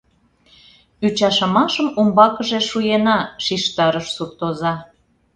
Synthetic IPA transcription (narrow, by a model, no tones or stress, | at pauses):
yt͡ɕɑʃɑmɑʃəmumbɑkə̆ʒeʃujenɑʃiʃt̪ɑɾəʃsukt̪ozɑ